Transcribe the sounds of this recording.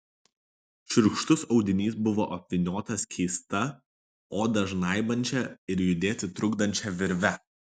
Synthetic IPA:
ʃʲʊɾkʃt̪ʊsɒʊd̪ʲɪnʲiːsbʊʋoːʔɐpʲʋʲɪnʲoːt̪ɐskʲʰɛɪst̪ɐ | oːd̪ɐʒnɐˑɪbɐnʲt͡ʃʲɛɪɾjʊd̪ʲeːt̪ʲɪt̪ɾʊɡd̪ɐnʲt͡ʃʲɛʋʲɪɾʲʋʲɛ

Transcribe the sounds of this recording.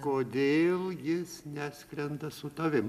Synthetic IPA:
koːd̪ʲeːlˠjɪsnʲæːsʲkɾʲɛnd̪ɐsʊt̪ɐʋʲɪm

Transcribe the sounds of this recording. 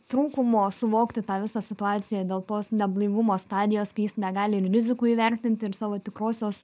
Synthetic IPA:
t̪ɾuːkʊmoːsʊʋoːkt̪ʲɪt̪ɑːʋʲɪsɑsʲɪt̪ʊɑːt̪sʲɪjɛd̪ʲeːlˠt̪oːsnʲɛblˠɐɪʋʊmoːst̪ɑːd̪ʲɪjoːskɐɪjɪsnʲɛɡɑːlʲɪɪrrʲɪzʲɪkuːiːʋʲɛɾʲt̪ʲɪnʲt̪ʲɪɪɾsɑːʋoːt̪ʲɪkɾoːsʲoːs

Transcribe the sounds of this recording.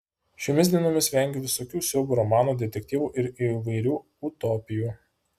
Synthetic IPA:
ʃʲomʲɪsd̪ʲiɛnoːmʲɪsʋʲɛˑŋʲɡʲeʋʲɪsoːkʲuːsʲɛʊɡʲuːɾɔmɑːnuːd̪ʲɛt̪ʲɛk̚ʲt̪ʲiːʋuːʔɪɾiʋɐɪɾʲuː | ʊt̪ɔːpʲɪjuː

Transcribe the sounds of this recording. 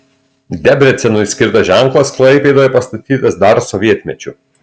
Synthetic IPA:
d̪ʲɛbʲɾʲɛt̪sʲɛnʊsʲkʲɪɾt̪ɐʒʲæŋklˠɐsklˠɐɪpʲeːd̪ɐʋɛpɐst̪ɐt̪ʲiːt̪ɐsd̪ɐɾsɔʋʲiɛt̪ʲmʲɛt͡ʃʲʊ

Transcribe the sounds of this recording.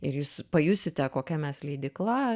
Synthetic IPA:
ɪɾjuːspɐjʊsʲɪt̪ʲɛkoːkʲɛmʲɛslʲɛɪd̪ʲɪklˠɐ

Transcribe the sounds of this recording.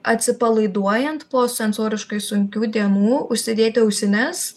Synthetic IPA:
ɐt̪ʲsʲɪpɐlˠɐɪd̪uɔjɛnt̪poːsʲɛnsoːɾʲɪʃkɐɪsʊŋʲkʲuːd̪ʲiɛnuːʊʃʲsʲɪd̪ʲeːt̪ʲɪɐʊsʲɪnʲɛs

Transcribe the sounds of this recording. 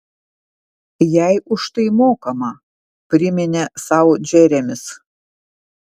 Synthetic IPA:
jæɪʔʊʃt̪ɐɪmoːkɐmɐ | pʲɾʲɪmʲɪnʲɛsɑˑʊd͡ʒʲɛɾʲɛmʲɪs

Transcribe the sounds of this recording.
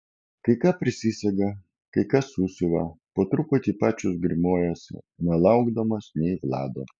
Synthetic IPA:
kɐɪkɑːpʲɾʲɪsʲɪsʲɛɡɐ | kɐɪkɐsuːsʲʊʋɐpoːt̪ɾʊpʊt̪ʲipɑːt͡ʃʲʊsɡɾʲɪmoːjoːsʲɪ̰nʲɛlˠɐʊɡd̪ɐmɐsnʲɛɪʋlˠɑ̰ːd̪oː

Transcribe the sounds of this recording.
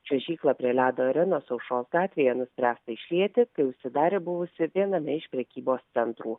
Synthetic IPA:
t͡ʃʲɛʒʲiːklˠɐpʲɾʲiɛlʲæːd̪oːɐɾʲɛnoːsɐʊʃoːsɡɑːt̪ʲʋʲeːjɛnʊsʲpʲɾʲæːst̪ɐɪʃʲlʲiɛt̪ʲɪkɐɪʊʃʲsʲɪd̪ɑːɾʲeːbʊʋʊsʲɪʋʲiɛnɐmʲɛɪʃpʲɾʲɛkʲiːboːst̪sʲɛnt̪ɾuː

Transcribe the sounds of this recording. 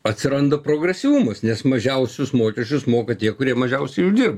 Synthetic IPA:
ɐt̪ʲsʲɪɾɐnd̪ɐpɾoːɡɾʲɛsʲɪʋʊmɐsnʲɛsmɐʒʲɛʊsʲʊsmoːkʲɛʃʲt͡ʃʲʊsmoːkɐt̪ʲiɛkʊɾʲiɛmɐʒʲɛʊsʲɛɪjuːd̪ʲɪrb

